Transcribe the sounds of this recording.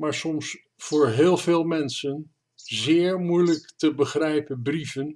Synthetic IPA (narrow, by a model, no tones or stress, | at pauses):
maːɹsɔms | fʊːɹɦɪːlˠveːlˠmɛnsən | zɪːɹmujləktəbəχrɛjpənbrivən